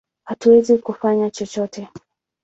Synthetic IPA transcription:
hatuwɛzikufaɲat͡ʃɔt͡ʃɔtʰɛ

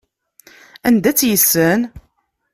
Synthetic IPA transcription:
ænd̪æt͡sːjəsːən

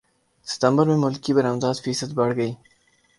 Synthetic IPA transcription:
sɪ̥t̪ambaɾmemʊlkibaɾamzɑːzfisad̪baɽɡai

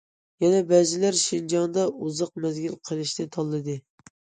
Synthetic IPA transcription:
jɛnɛbɛzɪlæɾʃind͡ʒɑnd̪ɑuzəq̚mɛzɡʲilqʰəlˠɨʃnɪt̪ʰɑlˠːɨd̪ɨ

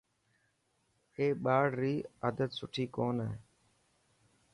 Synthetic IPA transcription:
eːɓaːɽɾiːaːd̪ət̪sʊʈʰiːkoːnɦeː

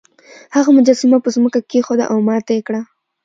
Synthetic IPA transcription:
haɣamʊd͡ʒɑsɪmapəzməkakexod̪a̰ʔawmɑt̪aekɽa

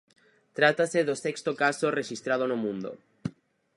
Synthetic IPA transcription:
t̪ɾat̪aseðosekst̪okasoreʃist̪ɾað̞onomũnd̪o̰

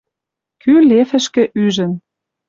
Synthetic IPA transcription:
kylefə̆ʃkɘ̆ʔyʒə̆n

